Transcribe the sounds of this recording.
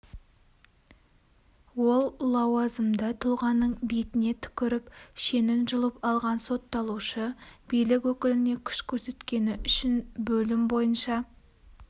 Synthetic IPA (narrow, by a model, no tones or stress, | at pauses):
wo̞lˠːɑwɑzəmd̪ət̪ʰʊlˠʁɑnːəɴbijt̪ɪne̞t̪ʰʏ̥kʲɪɾɪpʃe̞nɪnʒʊlˠəpɑlˠʁɑnso̞t̪ːɑlˠuʃəb̥ijlɪkʲwɵkʲɪlɪne̞kʲʰʏ̥ʃkʲʰɵɾse̞t̪kʲe̞nɪʔʏʃɪnbɵlɪmbo̞jənʃɑ